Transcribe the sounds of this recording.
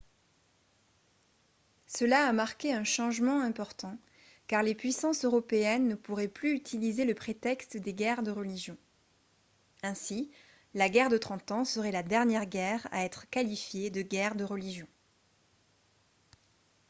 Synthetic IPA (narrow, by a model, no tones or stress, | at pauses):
səlaːmaʁkʲeɛ̃ʃɑ̃ʒmɑ̃ɛ̃pɔʁt̪ɑ̃ | kaʁlepɥisɑ̃søʁɔpeɛnːəpuʁɛplyyt̪ʰilizeləpχet̪ɛkst̪d̪eɡɛʁd̪əʁəliʒjɔ̃ | ɛ̃si | laɡɛʁd̪ət̪χɑ̃t̪ɑ̃səʁɛlad̪ɛʁnjɛʁɡɛʁa̰ɛt̪χəkalifjed̪əɡɛʁd̪əʁəliʒjɔ̃